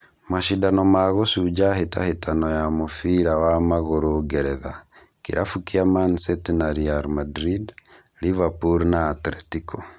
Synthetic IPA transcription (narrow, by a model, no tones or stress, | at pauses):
maʃidanomaɣosuɟaheta̰hetanɔjamofiɾawamaɣoɾoɡɛɾɛða | kḭɾʔafukiamansɛtnaɾialmadɾid | livapuɾnaːtɾetikʰo